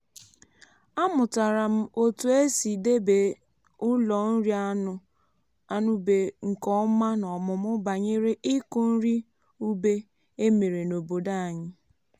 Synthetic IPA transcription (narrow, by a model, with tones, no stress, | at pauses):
a˦mʊ˨ta˨ɾa˨m̩˦o˦tu˨e˦si˨de˦be˨ | ʊ˦lɔ˨n̩˦ɾi˦a˦nʊ˨ | a˦nʊ˦be˨ŋ̩˨kɔ˦ma˦nɔ˨mʊ˨mʊ˦ba˨ɲe˦ɾe˦ʔɪ˦kʊ˦n̩˦ɾi˦ | u˦be˦ | e˦me˨ɾe˨no˨bo˨da˦a˨ɲɪ˦